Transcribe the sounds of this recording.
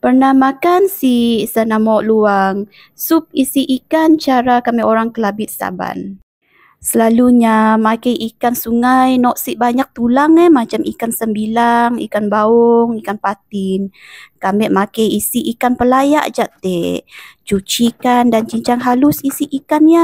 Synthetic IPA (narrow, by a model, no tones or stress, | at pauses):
pərnahmakansisənamɔʔluaŋ | sup̚isiʔikant͡ʃaɾakamɛʔoɾaŋkəlabɪt̪̚sa̰ba̰n | səlaluɲamakajʔikansuŋajnɔʔsiʔbaɲak̚t̪ulaŋɛmat͡ʃamʔḭkansəmbilaŋḭkanbaɔŋikanpat̪ɪnkamɛʔmakajisiʔikanpəlaja̰ʔd͡ʒaʔt̪ɛ | t͡ʃut͡ʃikandant͡ʃiɲt͡ʃaŋɦalʊsisiʔikanja